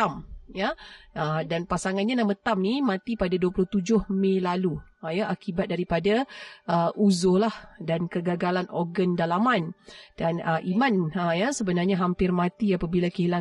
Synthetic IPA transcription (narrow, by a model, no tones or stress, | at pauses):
amjaədanpasaŋanɲanamət̪amnimãt̪ipadaduaplʊht̪ud͡ʒʊhmẽlalujaʔakibat̪̚daɾipadaəʔuzolahdankəɡaɡalanʔɔrɡəndalamand̥anəʔimãnəjasəbənarɲaɦampɪrmãt̪iapabilakəla